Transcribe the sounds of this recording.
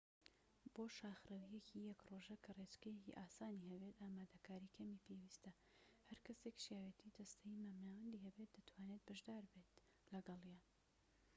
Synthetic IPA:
b̥oːʃaːxrɐwijɛcijɐkroʒɐkʰɐret͡ʃkɐjecḭʔaːsaːnihɐbet̪aːmaːd̪ɐkʰaːɾiːkʰɐmiːpʰewiːst̪ɐ | hɐɾkʰɐse̞kʃjaːwet̪ʰiːd̪ɐst̪ʰɐjimaːmnaːwɐnd̪iːhɐbe̞t̪̚d̪ɐt̪ʰwaːnet̪̚bɐʒd̪aːɾbeːt̪ | lɐɡɐlˠjan

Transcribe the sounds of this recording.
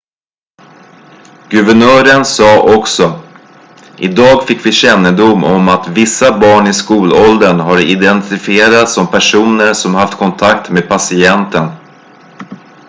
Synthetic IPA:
ɡɵvɛɳœːɾənsɑːʔɔksɔ | ʔɪd̪ɑːɡfɪkːvɪɕɛnːəd̪ʊmɔmat̪vɪsːabɑːɳɪskuːlɔld̪ənɦaɾɪd̪ɛnt̪ɪfɪeːɾat̪sɔmpʰæʂuːnəɾsɔmhaft̪kʰɔnt̪ʰakt̪meːd̪̚pʰasɪɛnt̪ən

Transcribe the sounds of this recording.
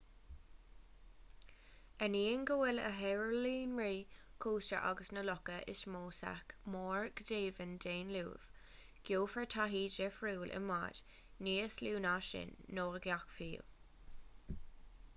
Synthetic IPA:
əniːənɡəwɪlə̰ɦɛɹəliːnɹiːkʰuːst͡ʃə̰ɹʔa̰ɡəsnəlɔkəʔɪ̰ʃmoːsa̰kmoːɹɡ̥d̪eːvəndeːnlṵːv̥ | ɡ̥joːfəɹtʰaɦiːd͡ʒɛfɹuːlʔɪ̰ma̰d̥ | niːəsluːnaʃɪ̰nːoːɹəɡjakfiːl

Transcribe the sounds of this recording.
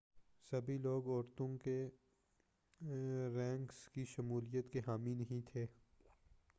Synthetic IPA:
sɐbʱiloːɡɔːɾt̪õke | ɾɛ̃ːŋkskiʃɐmuːlijət̪keɦaːmĩnɐɦĩt̪ʰeː

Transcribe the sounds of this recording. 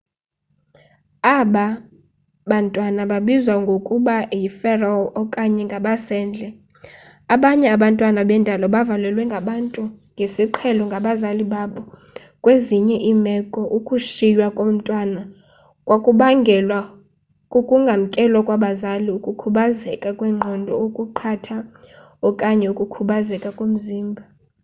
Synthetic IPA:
aɓa | ɓantʼwanaɓaɓizwaŋɡʱokʼuɓajifɛralɔkʼaɲɛŋɡʱaɓasɛːnd͡ɮʱɛ | aɓaɲɛaɓantʼwanaɓɛndʱalɔɓavalɛlwɛŋɡʱaɓantʼuŋɡʱesiǃʰɛlɔŋɡʱaɓazaliɓaɓɔ | kʼweziɲɛʔimɛkʼɔʔukʼuʃijwakʼom̩tʼwana | kʼwakʼuɓaŋɡʱɛlwa | kʼukʼuŋɡʱam̩kʼɛlɔkʼwaɓazaliukʼukʰuɓazɛkʼakʼwɛŋ͡ǃʱɔndʱɔokʼuǃʰatʰa | ɔkʼaɲɛukʼukʰuɓazɛkʼakʼom̩ziːmbʱa

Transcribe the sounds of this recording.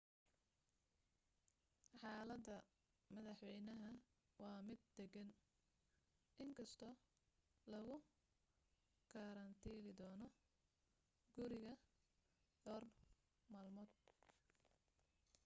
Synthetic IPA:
ħɑːlɐd̪ɐ | mɐðɐħwɛjnɐɦɐ | wɑːmɪd̪̚ːɛɡɐn | ʔɪŋkʰɐst̪ʰɔ | lɐɣʊ | ɡ̥ʰɐɾɐnt̪ʰiːlɪd̪ɔːnɔ | ɡ̥ʊɾɪɣɐ | dɔːr | maːlmɔːd̪̚

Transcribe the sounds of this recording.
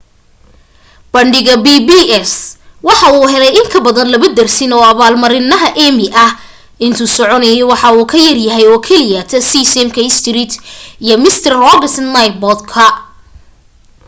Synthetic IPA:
b̥ɐɳɖɪɣɐbiːbiɛswɑħɑuːɦɛlɛjɪŋkʰɐbɐðɐnlɐβɐd̪ɐrsɪnɔːɐβaːlmɐɾɪnɐɦɐʔɛmɪʔɐh | ɪnt̪ʰuːsɔʕɔnɐjɛwɑħɑuːkʰɐjɐrjɐɦɛjɔːkʰɛlɪjaːt̪ʰɐsisɛmkʰɐɪst̪riːt̪ʰijɔmɪst̪ʰɐrrɔɡɐsnɐjt̪̚bɔd̪kʰɐ

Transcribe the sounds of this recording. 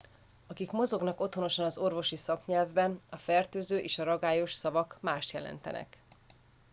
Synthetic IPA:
ɒkikmo̞zo̞ɡnɒko̞t̪hono̞ʃɒnɒzo̞rvo̞ʃisɒkɲɛlvbɛnɒfɛrt̪øːzøːʔeːʃɒɾɒɡaːjo̞ʃsɒvɒkmaːʃt̪jɛlɛ̰nt̪ɛ̰nɛ̰k

